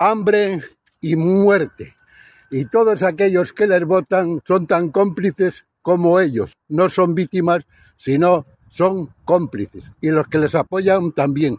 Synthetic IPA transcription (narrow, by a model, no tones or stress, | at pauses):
ambɾe | imwe̞ɾt̪e | it̪o̞ð̞osake̞ʎo̞ske̞le̞zβo̞t̪aŋso̞nt̪aŋko̞mpliθe̞s | ko̞moe̞ʎo̞sno̞so̞mbit̪imasː | ino̞ | so̞ŋko̞mpliθesilo̞ske̞le̞sapo̞ʎant̪ambje̞ŋ